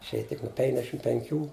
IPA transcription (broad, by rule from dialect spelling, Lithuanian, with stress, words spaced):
ɪʃʲˈeːjɛ tʲɪk nʊ ˈpʲɛŋɡdʲɛʃʲɪm pʲɛŋʲˈkʲuː